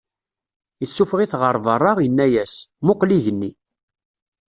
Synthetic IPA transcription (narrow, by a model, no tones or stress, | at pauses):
jəsːufʁiθʁəɾˤvərˤːɑʁjənːæjæsmʊqliʝənːi